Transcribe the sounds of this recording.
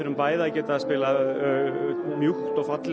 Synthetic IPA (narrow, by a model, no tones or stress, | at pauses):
ɪɾʏmpaːjðaːcɛːt̪aːðspɪːla | mjuxt̪ɔɣfat̪l